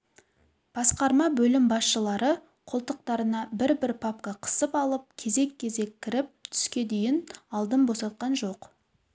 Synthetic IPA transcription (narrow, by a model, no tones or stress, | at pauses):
b̥ɑsqɑɾmɑbɵlɪmbɑsʃəlˠɑɾə | qʰolˠt̪əq̚t̪ɑɾənɑbɪɾbɪɾpʰap̚kɑqʰə̥səpɑlˠəp̚kʲʰe̞ze̞kʲʰːe̞ze̞kʲʰːɪɾɪp̚t̪t̪ʰʏ̥skʲe̞d̪ejɪnɑlˠd̪əmbo̞sɑt̪̚qɑnʒo̞q